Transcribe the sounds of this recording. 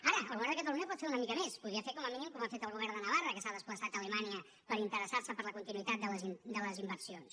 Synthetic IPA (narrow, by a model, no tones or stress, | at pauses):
aɾəəlˠɣuβɛɾðəkət̪əluɲəpɔt̪feɾunəmikəmespuðiəfekɔməminimkɔmafet̪əlˠɣuβɛɾðənəβarəkəsaðəspləsat̪ələmaniə | pəɾint̪əɾəsaɾsəpəɾləkunt̪inuit̪at̪̚d̪ələzid̪ələzimbəɾsions